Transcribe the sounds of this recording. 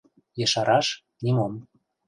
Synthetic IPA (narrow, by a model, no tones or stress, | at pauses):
jə̆ʃɑɾɑʃ | nimom